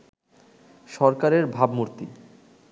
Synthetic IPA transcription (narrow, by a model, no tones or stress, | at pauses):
ʃɔɾkaɾeɾbʱabmuɾt̪i